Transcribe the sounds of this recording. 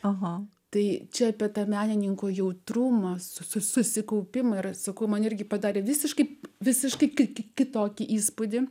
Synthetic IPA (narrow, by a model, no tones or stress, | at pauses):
ɐɦɐt̪ɐɪt͡ʃʲɛɐpʲiɛt̪ɐmʲæːnʲɪnʲɪŋkoːjɛʊt̪ɾʊmɐsʊsʊsʊsʲɪkɐʊpʲɪmɐɪrsɐkɐʊmɐnɪrʲɡʲɪpɐd̪ɑːɾʲeːʋʲɪsʲɪʃkɐɪpʋʲɪsʲɪʃkɐɪkʲɪkʲɪkʲɪt̪oːkʲɪʔiːspod̪ʲɪ